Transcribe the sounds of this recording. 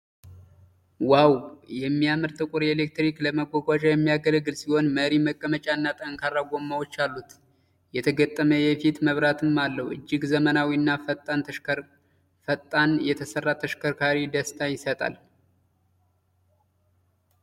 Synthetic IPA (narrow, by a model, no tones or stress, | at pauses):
wawjɛmːijamɨɾt̪ʼɨkʼuɾelek̚t̪ɾikləməɡʷaɡʷat͡ʃʼajɛmːijaɡələɡɨlsiho̞nməɾiməkʼːəmət͡ʃʼaɨnːat̪ʼəŋkʰarːaɡʷo̞mːawot͡ʃːalːut̪ | jɛt̪ʰəɡət̪ʼːəməjɛfit̪məβɾat̪ʰɨmːalːəhuɨ̰d͡ʒːɪɡzəmənawiɨnːafət̪ʼːanʰə | fət̪ʼːanjɛt̪ʰəsərːat̪ʰəʃkʰəɾkʰaɾid̪əst̪ʰajɪsət̪ʼa̰l